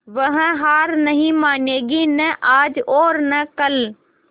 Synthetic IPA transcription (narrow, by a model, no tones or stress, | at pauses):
ʋəɦə̃ɦaːɾnəɦĩmaːneːɡinɛʔaːd͡ʒoːɾnəkəl